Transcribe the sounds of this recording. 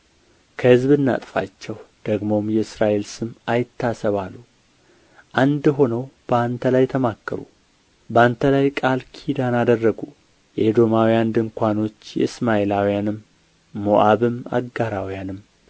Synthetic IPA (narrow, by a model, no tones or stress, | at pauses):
kʰəhɨzbɨnːa̰t̪ʼfa̰t͡ʃːɛwd̪̥əɡmo̞mjɛɨsɾaʔe̞lsɨmajɪt̪ːasəβalːu | ʔand̪ɦo̞nəwb̥əant̪ʰəlajt̪ʰəmakːəɾṵ | bəant̪ʰəlajkʼalkʰid̪anad̪ərːəɡu | jɛd̪o̞mawijand̪ɨŋkʷano̞t͡ʃːjɛ̰ɨsmaʔelawijanɨmː | oʔaβɨma̰ɡaɾawijanɨm